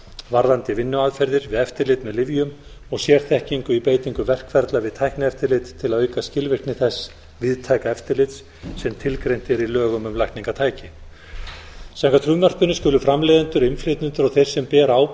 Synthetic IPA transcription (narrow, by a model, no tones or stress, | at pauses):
vaɾðant̪ɪvɪnːʏaðfɛɾðɪɾvɪðɛft̪ɪɾlɪt̪mɛðlɪvjʏm | ɔɣsjɛɾ̥θɛhciŋkʏipeːjt̪iŋkʏvɛr̥kfɛɾt̪lavɪðt̪ʰajhknɪɛft̪ɪɾlɪt̪t̪ʰːɪlaðœːɥkascɪlvɪr̥knɪθɛs | vɪðt̪ʰaːjkaɛft̪ɪɾlɪt̪s | sɛmt̪ʰɪlkɾejn̥t̪ɪɛɾilœːɣʏmʏmlajhktniŋkat̪ʰaːjcɪ | saŋkat̪ʰɾumar̥tpʏnːʏskʏːlʏfɾamlejðant̪ʏɾɪnflet̪nʏnt̪ʏɾɔɣθej̥sɛmpɛːɾaːw